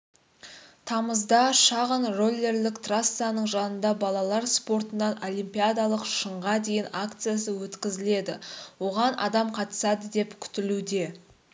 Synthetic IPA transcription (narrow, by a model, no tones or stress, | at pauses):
t̪ʰɑməzd̪ɑʃɑʁənro̞lʲˠːe̞rlɪkt̪rasːanəɴʒɑnənd̪ɑbɑlˠɑlˠɑɾspo̞ɾt̪ənːɑno̞lˠimpʲijad̪alˠəqʃəɴʁɑd̪e̞jɪnakt̪sɨjas̬əwɵt̪kʲɪzɪle̞d̪ɪwo̞ʁɑnʔɑ̰d̪ɑmqʰɑt̪ə̥sɑd̪əd̪e̞pkʲʰʏ̥t̪ɪlud̪e̞